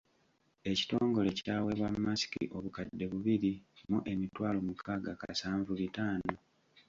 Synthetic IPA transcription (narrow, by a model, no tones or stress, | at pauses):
e̞ci̥to̞ːŋɡo̞le̞caːwe̞βwammːasi̥kḭʔoβukadːe̞βuβiɾimuʔe̞mitwaːlomukʰaːɡaka̰saːɱvuβitaːno